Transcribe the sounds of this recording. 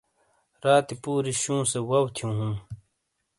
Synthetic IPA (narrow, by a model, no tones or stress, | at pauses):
ɾaːt̪ipuːɾiɕũːsewɐwt̪ʰijũːɦũm